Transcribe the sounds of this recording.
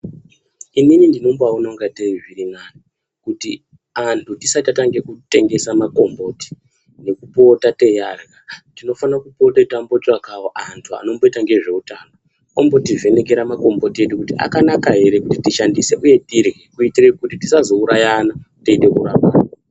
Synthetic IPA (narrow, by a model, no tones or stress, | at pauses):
ininindino̞mboauno̞ŋɡateviɾiŋani | kutḭ | antʰutisatataŋɡe̞kute̞ŋɡe̞samako̞mbo̞ːti̥ | ne̞kupo̞tate̞jarɣatino̞fanakupo̞tatambo̞twakawoʔantʰua̰no̞mbo̞itaŋɡe̞ʐe̞utaːno | ombo̞tive̞ne̞ke̞ɾamako̞mbo̞tie̞ɗukutiʔa̰kanakaɦe̞ɾe̞kutitiʃandise̞ʔuje̞tirɣekuitirekutitisazo̞uɾajanateiɗe̞kuraːpa